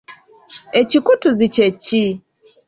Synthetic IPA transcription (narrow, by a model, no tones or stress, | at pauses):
ecikutuzicet͡ʃːi